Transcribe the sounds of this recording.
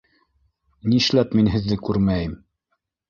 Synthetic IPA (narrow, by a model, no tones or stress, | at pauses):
niʃlæpminɦɘ̆ðːɘkʉɾmæjɘm